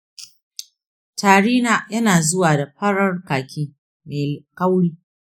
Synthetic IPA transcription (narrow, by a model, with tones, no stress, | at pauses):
tʰaː˨ɽiː˦naː˦jɐ˦naː˨zʊ˦waː˨da˨ɸɐ˦ɽɐ˦rkaː˨kʲiː˦ | me˨kɐ˦wɽiː˦